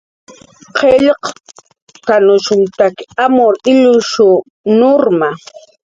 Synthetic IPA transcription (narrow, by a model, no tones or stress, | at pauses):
qʰeʎq | kanʊʃʊnt̪akamʊɾɪʎʊʃʊ | noɾma